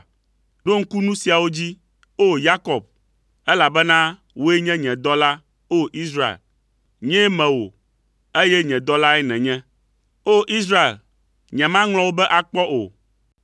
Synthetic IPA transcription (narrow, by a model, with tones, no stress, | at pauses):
ɖo˦ŋ̩˦ku˦nũ˦si˨a˨wo˦d͡ʑi˦ | o˦ja˦kɔ˨b̚ | ɛ˦la˨bɛ˦nã˦ | wo˦e˦ɲɛ̃˦ɲɛ̃˨d̪ɔ˦la˦ | o˦ʔi˦sɾa˦ḛ˨l | ɲɛ̃˦mɛ̃˨wo˨ | e˦jɛ˦ɲɛ̃˨d̪ɔ˦la˦ɛ˦nɛ̃˨ɲɛ̃˦ | o˦ʔi˦s̬ɾa˦ḛ˨l | ɲɛ̃˨mã˦ŋl̃ɔ̃˦wo˦bɛ˦ʔa˨k͡pɔ˦ʔo̰˨